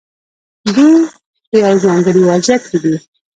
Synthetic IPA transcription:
d̪i | jawzɑŋɡəɾiwɑd͡ʒakid̪i

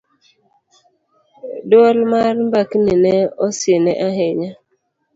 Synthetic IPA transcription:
doalmaɾm̩bakninɛɔsenɛʔaɦeɲa

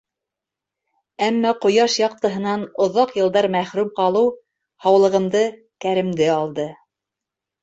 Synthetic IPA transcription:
æmːæqŏjɑʃjɑq̚t̪ɤ̆ɦɤ̆nɑnŏðɑqjɤ̆lˠd̪ɑɾmæχɾʉmqɑlˠɤw | hɑwlˠɤ̆ʁɤ̆md̪ɤ | kæɾɘ̆md̪ɘɑlˠd̪ɤ

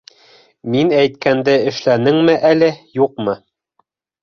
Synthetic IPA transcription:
minæjt̪kænd̪ɘɘ̆ʃlænɘŋmɘʔælɘjuq̚mɤ

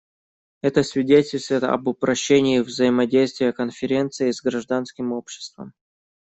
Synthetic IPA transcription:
ɛt̪əsʲvʲɪdʲetʲɪlʲst̪vəjt̪ɐ̰bʊpɾɐɕːenʲɪːvzəɪmɐdʲejst̪vʲɪjəkənfʲɪɾʲe̞nt̪sɨɪzɡɾɐʐd̪anskʲɪmo̞pɕːɪ̥st̪və̰m

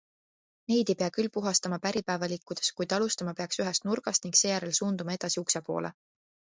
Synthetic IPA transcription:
ne̞jd̪ejpe̞ɑkylːpuɦɑst̪ɑmɑpæɾipæːvɑlikːˑud̪̥e̞skujd̪̥ɑlust̪ɑmɑpe̞ɑksyɦest̪̚nurɡ̥ɑst̪niŋɡse̞ːjæɾelsuːnd̪umɑe̞d̪̥ɑsiuksepo̞̰ːlḛ

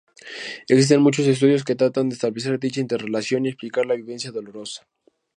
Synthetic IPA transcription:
eksis̬t̪e̞nmut͡ʃo̞s̬es̬t̪uðjo̞s̬ket̪ɾat̪and̪eest̪aβles̬e̞ɾd̪it͡ʃaint̪erelasjo̞niesplikaɾlaβiβe̞nsjaðo̞lo̞ɾo̞sḁ

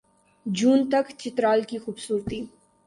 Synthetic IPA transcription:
d͡ʒuːnt̪ɐkt͡ʃɪt̪ɾaːlkixuːbsuːɾt̪i

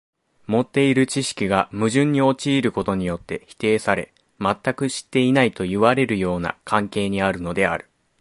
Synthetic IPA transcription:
mo̞t̪ːe̞iɾɯ̟t͡ɕiɕi̥kʲiɡamɯ̟ʑɨ̃ɲ̟ːio̞t͡ɕiːɾɯ̟ko̞t̪o̞ɲ̟ijo̞t̪ːe̞çi̥t̪e̞ːsaɾe̞̰ | mat̪ːakɯ̟ɕi̥t̪ːe̞inait̪o̞jiβaɾe̞ɾɯ̟jo̞ːna̰kʰãŋke̞ːɲ̟iaɾɯ̟no̞d̪e̞a̰ɾɯ̟

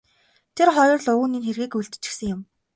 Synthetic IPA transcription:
t̪ʰerχɔjɞ̆rɮʊuːniːnxerɣiːkuɮt̪t͡ɕɪ̥̆sɘ̆ŋjʊm

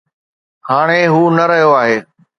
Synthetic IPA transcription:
haːɽ̃eɦuːnɐɾəɦijoaːɦeː

